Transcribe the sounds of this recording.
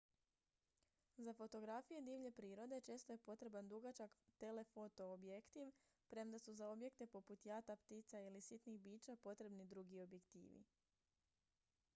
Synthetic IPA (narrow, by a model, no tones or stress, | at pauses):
zafo̞t̪o̞ɡɾafije̞d̪iːʋʎe̞pɾiːɾo̞d̪e̞t͡ʃe̞ːst̪oje̞po̞t̪ɾe̞band̪uɡat͡ʃakt̪e̞le̞fo̞t̪o̞ːbjekt̪iʋ | pɾe̞md̪asuzao̞bje̞kt̪e̞po̞put̪jat̪apt̪iːt̪sailisit̪nixbiːt͡ʃapo̞t̪ɾe̞bnid̪ɾuɡio̞bje̞kt̪ḭːʋḭ